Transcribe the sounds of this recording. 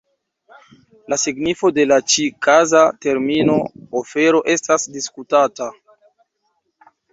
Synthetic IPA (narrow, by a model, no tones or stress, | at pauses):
lasiɡnifo̞de̞lat͡ʃikazate̞ɾmino̞ofe̞ɾo̞ʔe̞stasdiskutata